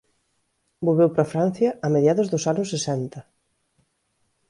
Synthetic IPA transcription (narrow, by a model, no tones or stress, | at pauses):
boβewpɾɐfɾan̟θjɐʔːmeðjaðʊzðʊsanʊsːesɛnt̪ɐ